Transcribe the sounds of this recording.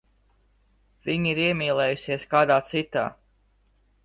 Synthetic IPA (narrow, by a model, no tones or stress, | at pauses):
v̥iɲiɾiɛmʲiːlˠɛːjusiɛskaːd̪aːt̪sit̪a̰ː